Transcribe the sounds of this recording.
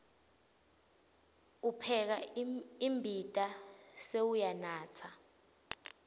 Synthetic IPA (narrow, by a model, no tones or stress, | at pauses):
upʰɛk̬aimbʱitʼasewujanaːt͡sʰa